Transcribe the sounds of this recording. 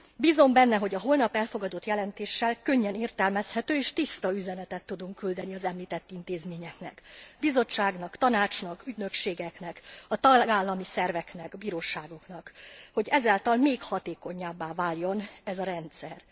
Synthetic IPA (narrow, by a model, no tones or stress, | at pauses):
biːzo̞mbɛnːɛɦo̞ɟɒɦo̞lnɒpɛlfo̞ɡɒd̪o̞t̪jɛlɛnt̪eːʃːɛlkø̞ɲːɛneːrt̪ɛlmɛshɛt̪øːeːʃt̪ist̪ɒyzɛnɛt̪ɛt̪ːud̪uŋkːyld̪ɛniɒzɛmliːt̪ɛt̪ːint̪eːzmeːɲɛknɛ̰kbizo̞t͡ʃːaːɡnɒkt̪ɒnaːt͡ʃnɒkyɟnø̞kʃeːɡɛknɛkɒt̪ɒɡaːlːɒmisɛrvɛknɛkbiːɾoːʃaːɡo̞knɒkho̞ɟɛzaːlt̪ɒlmeːkhɒt̪eːko̞ɲaːbːaːvaːljo̞nɛzɒɾɛnt̪sɛr